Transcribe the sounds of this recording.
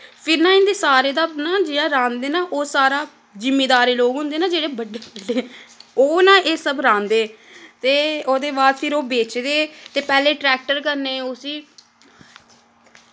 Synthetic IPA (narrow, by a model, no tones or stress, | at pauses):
pʰɪɾnãːɪ̃nd̪eːsaːɾeːd̪aːnãːd͡ʒijãːɾãːnd̪eːnaːʔoːsaːɾaː | d͡ʒɪmːeːd̪aːɾeːloːɡɦʊ̃nd̪eːnaːd͡ʒeːɽeːbəɖːeːbəɖeːoːnãːʔeːsəbɾãːnd̪eːt̪eːoːd̪eːbaːd̪pʰɪɾoːbeːt͡ʃd̪eːt̪eːpɛːleːʈɾɛːk̚ʈəɾkəɾneːʊsiː